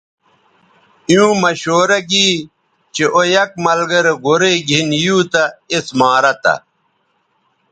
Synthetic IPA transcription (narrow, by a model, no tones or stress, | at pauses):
ijũːmɐɕoːɾɐɡiː | t͡ɕeʔojɐk̚mɐlɡɐɾeɡoɾeɡʱinjuːt̪ɐesmaːɾɐt̪ɐ̰